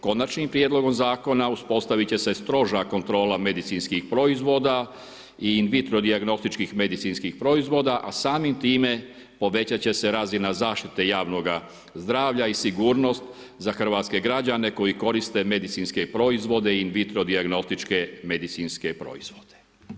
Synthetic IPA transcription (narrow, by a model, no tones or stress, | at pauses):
ko̞nat͡ʃnimpɾijed̪lo̞ɡo̞mzaːko̞nauspo̞st̪aʋit͡ɕe̞se̞st̪ɾo̞ʒako̞nt̪ɾo̞ːlame̞d̪it̪sinskixpɾo̞izʋo̞ːd̪a | iːnʋit̪ɾo̞d̪iaɡno̞st̪it͡ʃkixme̞d̪it̪sinskixpɾo̞izʋo̞d̪aʔasaːmimt̪iːme̞ | po̞ʋe̞t͡ɕat͡ɕe̞se̞ɾazinazaːʃt̪it̪e̞jaːʋno̞ɡa | zd̪ɾaːʋʎaisiɡuːɾno̞st̪ | zaxr̩ʋaːt̪ske̞ɡɾad͡ʑane̞ko̞jiko̞ɾist̪e̞me̞d̪it̪sinskepɾo̞izʋo̞d̪e̞iinʋit̪ɾo̞d̪iaɡno̞st̪it͡ʃke̞me̞d̪it̪sinske̞pɾo̞̰iz̥ʋo̞d̪̥e̥